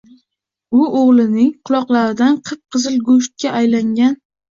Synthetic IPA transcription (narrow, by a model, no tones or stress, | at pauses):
ʊoʁlˠɪnɪŋqʰʊlˠɒqlˠaɾɪd̪anqʰɨp̚qʰɨzɪlˠɡoʃt̪̚kʲaʔajlaŋɡʲan